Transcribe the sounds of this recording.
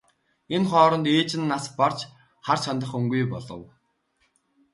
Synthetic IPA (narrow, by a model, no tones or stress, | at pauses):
enχɔːɾɞ̆nt̪eːt͡ɕɪ̆nːaspar̥t͡ɕ | χart͡ɕʰant̪ə̆χɵŋɡujpɔɮɞ̰̆w